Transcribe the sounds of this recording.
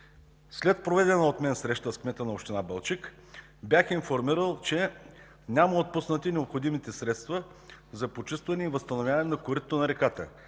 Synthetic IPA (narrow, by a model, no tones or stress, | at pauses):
slɛt̪̚pɾovɛd̪ɛnəot̪mɛnsɾɛʃt̪əskmɛt̪ənɐopʃt̪inabɐlˠt͡ʃik | bjaxinfoɾmiɾəlˠt͡ʃɛ | nʲaməot̪̚pusnət̪inʲɛopxod̪imit̪ɛsɾɛt̪st̪və | zɐpot͡ʃist̪vɐnɛivəst̪ɐnovʲjavɐnɛnɐkoɾit̪ːonɐɾɛkat̪ə̰